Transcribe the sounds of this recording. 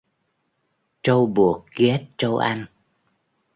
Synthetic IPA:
t͡ɕə˧wɓu˨˩ək̚ɣɛ˦˥t̚t͡ɕə˧wʔa˧jŋ

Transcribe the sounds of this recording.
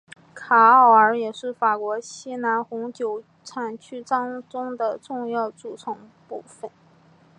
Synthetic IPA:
kʰa˨˧˥ɑ˨˩ʊə˞˧˥jɛ˨˩ʂɻ̩˥˩fa˨˩kwɔ˧˥ɕi˥na˧˥nxʊ˧˥ŋt͡ɕjo˨˧˩ʊ | ʈ͡ʂʰa˨˩nt͡ɕʰy˥ʈ͡ʂɑ˥ŋʈ͡ʂʊ˥ŋd̪ə˨ʈ͡ʂʊ˥˧ŋjɑ˥˩ʊʈ͡ʂu˨˩t͡sʰɤ˧˥ŋpu˥˧˩fə˨˩n

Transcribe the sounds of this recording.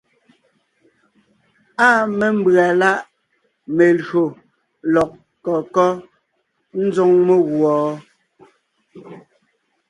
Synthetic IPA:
aː˦me˨m̩˦bɰa˨la˦ʔ | me˨lɰo˨ | lɔ˨k̚ | kɔ˨kɔ˦ | n̩˦zɔ˦ŋme˦˨ɣwɔː˨˦

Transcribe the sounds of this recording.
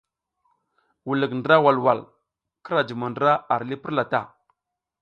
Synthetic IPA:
wu˨lə˨kndə˨ɾa˦wa˨lwa˨l | kə˦ɾa˨d͡ʒi˨ma˨ndɾa˦a˨ɾli˦pi˦ɾla˨ta̰˦˨

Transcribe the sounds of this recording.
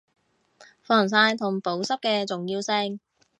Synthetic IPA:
fɔː˨˩ŋs̬aː˧jt̪ʰʊ˨˩ŋpo˨˥wsɐ˥p̚kɛː˧t͡sʊ˨ŋjiː˧wsɪ˧ŋ

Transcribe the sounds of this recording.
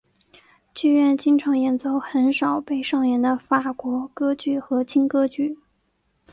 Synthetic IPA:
t͡ɕy˥˧ɥɛ˥˩nt͡ɕi˥ŋʈ͡ʂʰɑ˧˥ŋjɛ˨˩nt͡so˥˩ʊxə˧˥nʂɑ˨˩ʊpe˥˧ɪʂɑ˥˩ŋjɛ˧˥nd̪ə˧fa˨˩kwɔ˧˥kɤ˥t͡ɕy˥˩xɤ˧˥t͡ɕʰi˥ŋkɤ˥t͡ɕy˥˩

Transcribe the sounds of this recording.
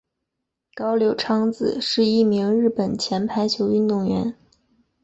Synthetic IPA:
kɑ˥ʊljo˨˩ʊʈ͡ʂʰɑ˥ŋd͡zɹ̩˨˩ʂɻ̩˥˧i˥˩mi˧˥ŋɻɻ̩˥˩pə˨˩nt͡ɕʰjɛ˧˥npʰa˧˥ɪt͡ɕʰjo˧˥ʊy˥˧nt̪ʊ˥˩ŋɥɛ˧˥n

